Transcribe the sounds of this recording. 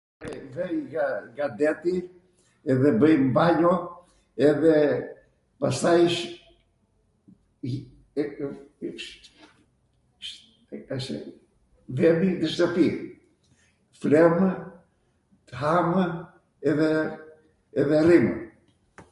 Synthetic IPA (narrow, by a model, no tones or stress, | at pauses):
ɛvɛjɡaɡad̪ɛt̪i | ɛðɛbəjmbaɲɔ | ɛðɛ | pasajʃ | ʃ | ðɛmit̪əʃt̪əpi | fɾɛm | t̪əɦam | ɛðɛː | ðɛrim